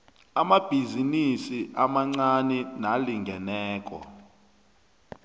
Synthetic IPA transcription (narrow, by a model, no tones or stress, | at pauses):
amab̥ʱizinisiʔamaŋ͡ǀanɛnaliŋɡʱɛnɛːk̬ʼɔ̰